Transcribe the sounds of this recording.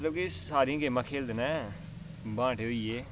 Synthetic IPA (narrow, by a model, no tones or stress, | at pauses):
t̪ləb̚kiɪsːaːɾĩkeːmãːkʰeːld̪enã | bãːʈeɦoieː